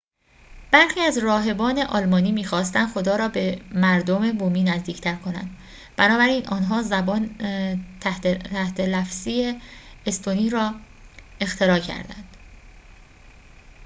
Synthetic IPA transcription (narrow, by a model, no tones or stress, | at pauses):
b̥æɾxiːæzrɒːɦe̞bɒːne̞ʔɒːlmɒːniːmiːxɒːst̪ænd̪χxo̞d̪ɒːɾɒːbe̞mæɾd̪ome̞boːmiːnæzd̪iːcʰt̪ʰæɾkʰo̞næ̰nd̪̥ | b̥ænɒːbæɾiːnʔɒːnɦɒːzæbɒːnʰ | t̪ʰæht̪ʰe̞læfz̥iːeest̪ʰoniːɾɒː | e̞xt̪ʰe̞ɾɒːcʰæ̰ɾd̪æ̰nd̪̥